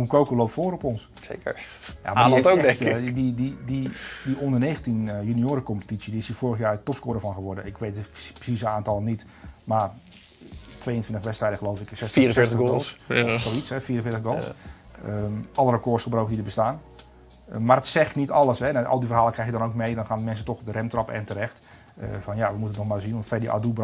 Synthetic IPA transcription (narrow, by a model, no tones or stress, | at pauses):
ukowkəloːwp̚tfoːɾɔpɔns | sḛkə̰ɹ | ja̰maːltodɛŋkɪdidididiʔondərneːɣəntinjynioːɾəkɔmpə̥tit͡sjədiɪsifoːrəxjaːətɔpskʊːdəfɔnxəʋɔrdəɪkʋeːtəprə̥sisəaːntɔlˠənit | mar | tʰʋejəntʰʋɪntəxʋɛtstrɛjdəχəloːwfɪksɛsiəəɪːstəɡoollˠssoisɛfiːərən̩fɪːtəxɡolˠs | əɔlˠərəkoːsxəbrowkəndidəbəstaːn | madətsɛxtnitɔlˠəsɦɛnaʔɔ̰lˠdifərɦaːlˠəkrɛxjədɔnowkmejdɔnxaːnəmɛnsətɔxɔb̚dəɾɛmtrɔpɛ̰ntəɾɛxt | ə̰fɔnjaʋəmutənətnɔxmaːzinntfɛdiʔa̰dub